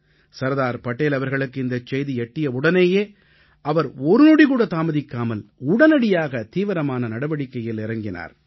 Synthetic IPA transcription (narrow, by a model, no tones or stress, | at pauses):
sɐɾðaːɾpɐʈːeːlɐʋɐɾɣɐɭɯkːɯɪnd̪ɐt͡ʃːɛjðiɛʈːɪjɐʊɽɐneːjeː | ɐʋɐɾɔɾɯnuɽikuːɽɐt̪aːmɐðɪkːaːmɐlʊɽɐnɐɽɪjaːɣɐt̪iːʋɐɾɐmaːnɐnɐɽɐʋɐɽɪkːɐjɪlɪɾɐŋɡɪna̰ːɾ